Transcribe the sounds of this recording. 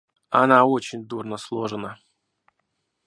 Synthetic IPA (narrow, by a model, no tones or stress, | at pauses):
a̰naot͡ɕɪnʲd̪urnəslˠoʐɨnə